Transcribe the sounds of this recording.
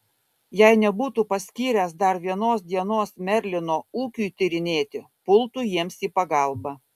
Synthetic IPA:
jɛɪnʲɛbuːt̪uːpɐsʲkʲiːɾʲæs̬d̪ɐɾʋʲiɛnoːsd̪ʲiɛnoːsmʲɛɾʲlʲɪnoːuːkʲujt̪ʲɪɾʲɪnʲeːt̪ʲɪ | pʊlˠt̪ujiɛmsiːpɐɡɐˑlˠbɐ

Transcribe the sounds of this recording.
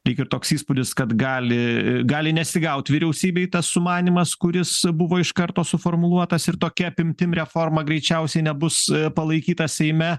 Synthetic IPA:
ɾʲɛɪkʲɪɾt̪oːksiːspʊd̪ʲɪskɐt̪ɡɑːlʲɪɡɑːlʲɪnʲɛsʲɪɡɐʊt̪ʲʋʲiɾʲɛʊsʲiːbʲeːɪt̪ɐssʊmɑːnʲimɐskʊɾʲɪsbʊʋoːɪʃkɐɾt̪oːsʊfoːrmʊlˠuɔt̪ɐsɪɾt̪oːkʲɛɐpʲɪmʲt̪ʲɪmɾʲɛfoːrmɐɡɾʲɛɪt͡ʃʲɛʊsʲɛɪnʲɛbʊspɐlˠɐɪkʲiːt̪ɐsʲɛɪmʲɛ

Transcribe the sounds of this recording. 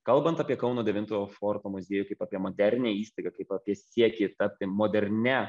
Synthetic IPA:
kɐlˠbɐnt̪ɐpʲiɛkɐʊnoːd̪ʲɛʋʲɪnt̪oːjoːfoːɾt̪oːmʊzʲeɛjʊkɐɪpaːpʲiɛmoːd̪ʲæɾʲnʲeːiːst̪ɐɪɡɐkɐɪpɐpʲiɛsʲiɛkʲet̪ɐpʲt̪ʲɪmoːd̪ʲɛɾʲnʲɛ

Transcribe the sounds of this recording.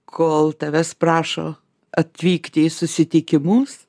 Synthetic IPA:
kʰoːlˠt̪ɐʋʲɛsprɑːʃo̰ː | ɐt̪ʲʋʲiːkt̪ʲɪɪsʊsʲɪt̪ʲɪkʲɪmʊs

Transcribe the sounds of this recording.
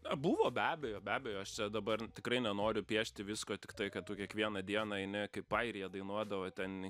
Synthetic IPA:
ɐbʊʋoːbʲæːbʲɛjoːbʲæːbʲɛjoːɐʃt͡ʃʲɛd̪ɐbɐrt̪ʲɪkɾɐɪnʲɛnoːɾʲʊpʲiɛʃʲt̪ʲɪʋʲɪskoːt̪ʲɪkt̪ɐɪkɐtt̪ʊkʲiɛkʋʲiɛnɐd̪ʲiɛnɑɐɪnʲɪkɐɪpɐɪɾʲɪjɛd̪ɐɪnuɔd̪ɐʋoːt̪ʲɛn

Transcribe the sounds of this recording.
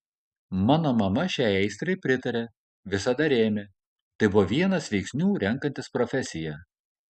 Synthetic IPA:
mɑːnoːmɐmɐʃʲæɪɛɪst̪ɾɐɪpʲɾʲɪt̪ɐɾʲeː | ʋʲɪsɐd̪ɐɾʲeːmʲe | t̪ɐɪbʊʋoʋʲiɛnɐsʋʲɛɪksʲnʲuːɾʲɛŋˑkɐnt̪ʲɪspɾɔfʲɛsʲɪjɛ

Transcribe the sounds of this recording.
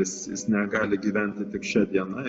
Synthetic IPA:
ɪsjɪ̰snʲɛɡɑːlʲɪɡʲiːʋʲɛnʲt̪ʲɪt̪ʲɪkʃʲɛd̪ʲiɛnɐ

